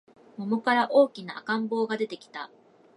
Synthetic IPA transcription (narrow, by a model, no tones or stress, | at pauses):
momo̞kaɾaʔo̞ːkʲinaa̰kãmbo̞ːɡad̪e̞t̪e̞kʲi̥t̪a